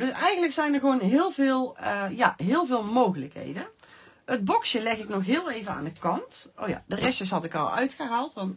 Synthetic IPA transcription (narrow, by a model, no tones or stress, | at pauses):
dɵsɛjɣəndləksɛjnərɣʋownɦɪːlˠvɪːlˠjaɦɪːlˠvɪːlˠmowɣələkɦḛjdən | əd̚bɔksjəlɛxɪknɔxɦɪːlˠejvəna̰ːndəkɑntʔo̰wja̰dərɛstdɵs̬ɦɑtɪkɑ̰lˠœ̰ɥtxəɦaːlˠtʋɑnt